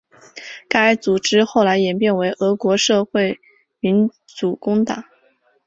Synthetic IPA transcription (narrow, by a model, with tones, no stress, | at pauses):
ka˥a˥t͡su˨˩ʈ͡ʂɻ̩˥xo˥˩ʊla˧˥ɪjɛ˨˩npjɛ˥˩nwe˧˥ɪʔɤ˧˥kwɔ˧˥ʂɤ˥˧xwe˥˩ɪ | mi˧˥n | t͡su˨˩kʊ˥ŋt̪a̰˨˩˦